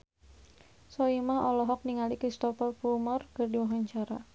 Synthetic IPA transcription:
sɔimaɔlɔɦɔk̚niŋalikɾist̪ɔfɛrpumɔrkərdiwaɦaɲt͡ʃaɾa

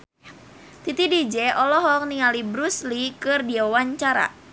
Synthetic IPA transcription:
t̪it̪idid͡ʒɛʔɔlɔɦɔŋniŋalibɾuslikɨrdiaawaɲt͡ʃaɾa̰

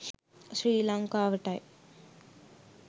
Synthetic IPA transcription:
sɾiːlaŋkaʋɐʈaːj

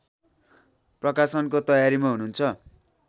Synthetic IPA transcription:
prʌkasʌnkot̪ʌjaɾimaɦununt͡sʰʌ

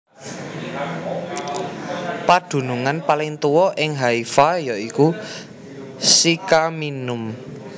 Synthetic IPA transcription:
pad̪̥ṳnuŋanpalɪŋt̪uwɔʔɪŋɦaifajɔʔiku | sikaminʊm

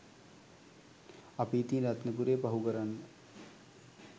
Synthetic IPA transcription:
ɐpiːt̪iːndat̪nəkuɾeːpɐɦukəɾanːə

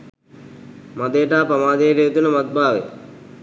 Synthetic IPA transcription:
mad̪eːʈaːpɐmaːd̪eːʈeet̪unəmat̪̚bʱaːʋḛ

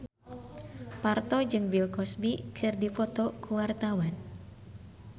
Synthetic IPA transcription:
part̪ɔd͡ʒɨŋbilkɔsbikʰɨrdifɔt̪ɔkuwart̪awan

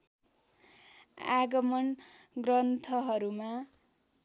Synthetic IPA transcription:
a̰ɡʌmʌn | ɡrʌnt̪ʰʌɦʌɾuma

